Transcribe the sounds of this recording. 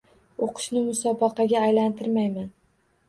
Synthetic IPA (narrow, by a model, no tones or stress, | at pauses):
oqʰɨ̥ʃnɪmʊsɒbɑqɑɡʲaːjlant̪ʰɪɾmajman